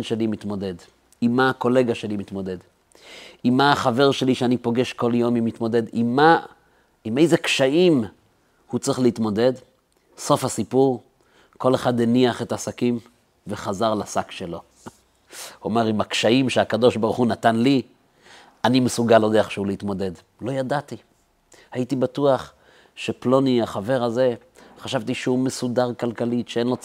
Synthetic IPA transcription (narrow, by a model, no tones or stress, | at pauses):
nʃe̞limit̪mo̞d̪e̞d | imːaako̞leɡaʃe̞limit̪mo̞d̪e̞d | imːaːχave̞ʁʃe̞liʃeanipo̞ɡe̞ʃko̞ljo̞mimit̪mo̞de̞dimːa | ime̞jzekʃaim | hut͡sʁiχleit̪mo̞de̞d | so̞fhasipuʁ | ko̞leχad̪eniaχe̞t̪asakim | veχazaʁlasakʃe̞lo̞ | omeʁimakʃaimʃeakado̞ʃbaʁuχunat̪anli | animesuɡalod̪eaχʃeuleitmo̞de̞d | lo̞jadat̪i | haitibatuaχ | ʃeplo̞niaχave̞ʁaze̞ | χaʃavt̪iʃehumesudaʁkalkalitʃee̞nlo̞